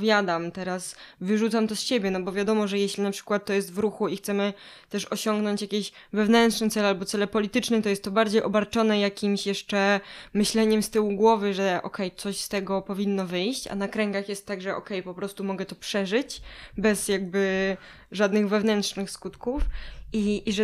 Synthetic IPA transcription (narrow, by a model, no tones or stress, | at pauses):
vʲjad̪amt̪ɛɾasvɘʐut̪samt̪ɔsɕebʲjɛnɔbɔvjad̪ɔmɔʐɛjɛɕlʲinapʂɘ̥kwat̪̚tːɔjɛst̪vɾuxuixt̪sɛmɘt̪ɛʂɔɕɔŋɡnɔɲt͡ɕjakʲeɕ | vɛvnɛnt̪ʂnɛt̪sɛlalbɔt̪sɛlɛpɔlʲit̪ɘt͡ʂnɛt̪ɔjɛst̪ːɔbaɾd͡ʑejʔɔbaɾt͡ʂɔnɛjakʲimɕjɛʂt͡ʂɛmɘɕlɛɲɛmst̪ɘwuɡwɔvɘʐɛʔɔ̰kɛjt̪sɔɕst̪ɛɡɔpɔvʲinːɔvɘjɕt͡ɕa̰nakɾɛŋɡaxjɛst̪ːaɡʐɛʔɔ̰kɛjpɔpɾɔst̪umɔɡɛt̪ɔpʂɛʐɘt͡ɕbɛzjaɡ̚bɘ | ʐad̪nɘɣvɛvnɛnt̪ʂnɘxskut̪kufiːʐɛ